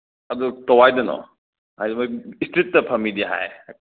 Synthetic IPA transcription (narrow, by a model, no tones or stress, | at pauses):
ɐdutowajdɐnɔ̰ | hajdɐmojistit̚ːɐpʰɐmːidiɦa̰j